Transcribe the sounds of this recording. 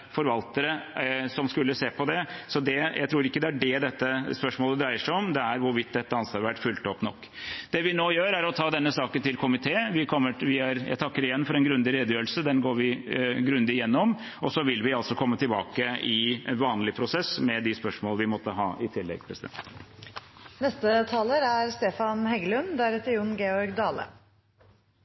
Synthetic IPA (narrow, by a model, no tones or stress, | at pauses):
fɔɾʋɑlt̪əɾəsɔmskʉlːəseːpʰɔd̪ɛsɔd̪ɛjʔæɪt̪ʰɾuːɾɪkːəd̪ɛæɖɛd̪ɛt̪ːəspœʂmoːləd̪ɾæɪəʂæɪɔmd̪ɛæɾʋʊɾʋɪt̪̚ːd̪ɛt̪ːəɑnsʋɑːɾəʋæʈːfʉlt̪əɔpnɔkːd̪ɛʋɪnoːjøːɾæɾɔt̪ʰɑːd̪ɛnːəsɑːkənt̪ʰɪlkʰʊmɪt̪ʰeːʋɪkʰɔmːəʋɪæɾjæ̰ɪt̪ʰɑkːəɾɪjɛnːfɔɾɛnɡɾʉnd̪ɪɾeːd̪əjøːɾəlsəd̪ɛnɡoːɾʋɪɡɾʉnd̪ɪɪjɛnːɔm | ɔsɔʋɪlʋɪɑlsɔkʰɔmːət̪ʰɪlbɑ̰ːkəɪʋɑːnlɪpʰɾʊsɛsmɛd̪ɪspœʂmoːlʋɪmɔt̪ːəɦɑːʔɪt̪ʰɪlːɛ̰ɡpʰɾɛsɪd̪ɛ̰nt̪ | nɛst̪ət̪ʰɑːləɾæɾst̪eːfɑnhɛɡəlʉnd̪ææɾɛt̪əʊnɡeːɔɾɡd̪ɑːlə̰